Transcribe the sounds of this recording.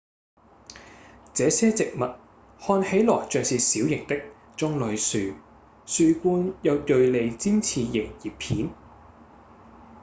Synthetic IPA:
t͡sɛː˨˧sɛː˥t͡sɪ˨k̚mɐ˨t̚ | hɔː˧nhe˨˥jlɔː˨˩jt͡ʃœː˨ŋsiː˨siː˨˥wjɪ˨˩ŋt̪ɪ˥k̚ | t͡sʊ˧ŋlɵ˨˩ɥsyː˨˩ | syː˨kʷuː˧njɐ˨˧wt̪ɵ˨ɥle˨˧jt͡siː˥nt͡sʰiː˧jɪ˨˩ŋjiː˨ppʰːiː˨˥n

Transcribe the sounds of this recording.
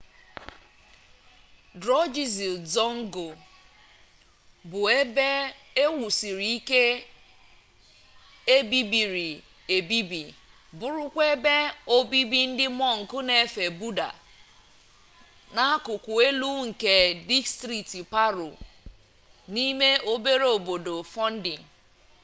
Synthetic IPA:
dɾɔ˦d͡ʒi˨zi˨zɔ˦ŋ̩˦ɡo˨ | bʊ˨e˦be˦ | e˦wu˨si˨ɾi˨i˦ke˦ | e˦bi˦bi˨ɾi˨ | e˨bi˦bi˨ | bʊ˦˨ɾʊ˦kʷe˦be˦o˦bi˦bi˦n̩˦dɪ˦mɔ˦ŋ̩˨kʊ˦ne˨e˨fe˨bu˦da̰˨ | na˦kʊ˨kʷʊ˨e˦lu˦ŋ̩˨ke˨di˦stɾi˨ti˨pa˦ɾo̰˨ | ni˦me˦o˦be˦ɾe˦o˨bo˨do˨fɔ˦n̩˦dɪ˨ŋ̩˨

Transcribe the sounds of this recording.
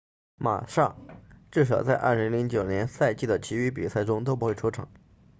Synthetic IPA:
ma̰˨˩ʂɑ˥˧ŋʈ͡ʂɻ̩˥˩ʂ̬ɑ˨˩ʊt͡sa˥˧ɪʔɐ̰˥˩li˧˥ŋli˧˥ŋt͡ɕjo˨˩ʊnjɛ˧˥nsa˥˧ɪt͡ɕi˥˩d̪ə˩t͡ɕʰi˧˥y˧˥p̬i˨˩sa˥˩ɪʈ͡ʂʊ˥ŋt̪o˥p̬xwe˥˩ɪʈ͡ʂʰu˧˥ʈ͡ʂʰɑ̰˨˩˦ŋ

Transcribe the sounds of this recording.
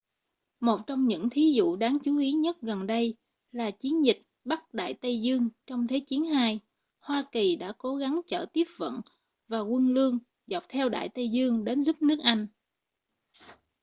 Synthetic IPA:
mo˨˩t̚t͡ɕɔ˧wŋ͡mɲɨ̰˧˥ŋt̪ʰi˨˦zṵ˧˨ɗaː˨˦ŋt͡ɕu˨˦ʔi˨˦ɲə˦˥t̚ɣə˨˩nɗə˧j | laː˨˩t͡ɕi˨˦ənzï˨˩k̟̚ | ɓa˦˥t̚ɗa̰ː˧˨jt̪ə˧jzɨ˧əŋt͡ɕɔ˧wŋ͡mt̪ʰe˨˦t͡ɕi˨˦ənhaː˧j | hwaː˧ki˨˩ɗa̰ː˧˥ko˨˦ɣa˨˦ŋt͡ɕə̰ː˧˨˩t̪i˦˥əp̚və̰˧˨n | vaː˨˩kwə˧nlɨ˧əŋ | zɔ˨˩wk͡p̚t̪ʰɛ˧wɗa̰ː˧˨jt̪ə˧jzɨ˧əŋɗe˨˦nzu˦˥p̚nɨ˦˥ək̚ʔa˧jŋ̟

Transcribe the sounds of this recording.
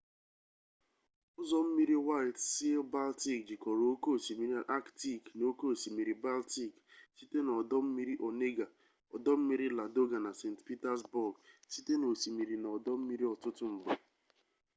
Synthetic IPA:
ʊ˦zɔ˦m̩˦mi˦ɾi˦wa˦ɪ˨tsi˦lba˦lti˦k̚d͡ʒi˨kɔ˨ɾo˨o˦ko˦˨si˨mi˨ɾi˦ʔa˦kti˦˨kno˦ko˦˨si˨mi˨ɾi˨ba˦lti˦˨ksi˦te˦nɔ˨dɔ˦m̩˦mi˦ɾi˦ʔɔ˨ne˦ɡa˨ | ɔ˨dɔ˦m̩˦mi˦ɾi˦la˨do˦ɡa˨na˨se˨ntpi˦ta˦sbʊ˦˨ɡsi˦te˦no˨si˨mi˨ɾi˨nɔ˨dɔ˦m̩˦mi˦ɾi˦ɔ˨tʊ˦tʊ˦m̩˨ɡ͡ba˨

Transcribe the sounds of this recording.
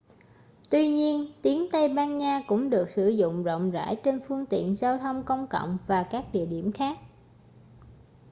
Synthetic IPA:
t̪wi˧ɲi˧ənt̪i˨˦ənt̪ə˧jɓaː˧nɲaː˧kʊ̰˧˥ŋ͡mɗɨ˨˩ək̚sɨ̰˧˩zʊ̰˧˨ŋ͡mzə̰˧˨wŋ͡mza̰ː˧˥˩jt͡ɕe˧nfɨ˧əŋt̪ḭ˧˨ənzaː˧wt̪ʰə˧wŋ͡mkə˧wŋ͡mkə̰˧˨wŋ͡mvaː˨˩kaː˦˥k̚ɗḭ˧˨əɗi˧˩əmxaː˦˥k̚

